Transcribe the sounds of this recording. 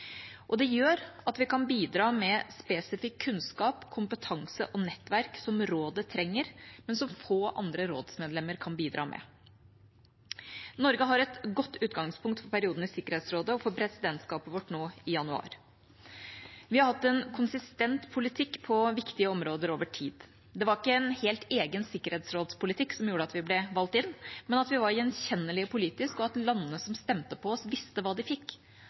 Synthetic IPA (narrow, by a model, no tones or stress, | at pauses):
ʔɔd̪ɛjøːɾɑt̪ʋɪkɑnbiːd̪ɾɑːmɛspɛːsɪfɪkʰːʉnskɑːpkʰʊmpət̪ʰɑŋsə̰ʔɔnɛt̪ːʋæɾksɔmɾoːd̪ət̪ʰɾɛŋːəɾmɛnsɔmfoːʔɑ̰nd̪ɾəɾoːd̪smɛːd̪lɛmːəɾkʰɑnbiːd̪ɾʔɑ̰ːmʔɛ̰ | nɔɾɡəɦɑɾɛt̪ɡɔt̪ːʉːt̪ɡɑŋspʰʊŋkt̪fɔɾpʰæɾɪuːd̪n̩ɪsɪkːəɾheːt̪sɾoːd̪əɔfɔɾpʰɾɛsɪd̪ɛnt̪skɑːpəʋɔʈːnoːɪjɑnʉɑ̰ːɾ | ʋɪhɑɾhɑt̪ːɛnkʰʊnsɪst̪ɛnt̪pʰʊlɪt̪ʰɪkːpʰɔʋɪkt̪ɪəɔmɾoːd̪əɾoːʋəʈʰiːd̪ | d̪ɛʋɑɾɪkːəɛnheːlt̪eːɡənsɪkːəɾheːt̪sɾoːd̪spʰʊlɪt̪ʰɪkːsɔmjuːɾəɑt̪ʋɪblɛʋɑlt̪ɪnːmɛnɑt̪ʋɪʋɑɾjɛnçɛnːəlɪɔpʰʊliːt̪ɪskɔɑt̪lɑnːənəsɔmst̪ɛmt̪əpʰɔɔsʋɪst̪əʋɑːd̪ɪfɪkː